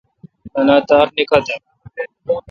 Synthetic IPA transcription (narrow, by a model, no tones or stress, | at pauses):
ənaːt̪aːɾneːkʰaːt̪aː